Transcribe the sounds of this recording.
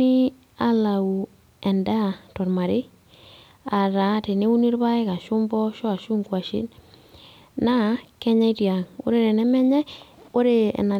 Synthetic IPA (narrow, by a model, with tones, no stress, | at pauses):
i˦ | a˦la˨u˨ | ɛ˨nda˦tɔ˨ɾma˨ɾe˦ | a˨ɾa˨˦te˨ne˦u˦ni˦ɾba˦ɪ˦ka˨ʃʊ˦mbɔ˦ʃɔ˦a˨ʃu˦ŋkwa˨ʃḭ˦n | na˦kɛ˦ɲa˦i˦tja˨ŋo̰˦ɾe˨ɾɛ˨nɛ˦mɛ˦ɲɛ˦o˦ɾe˨ɛ̰˨na˨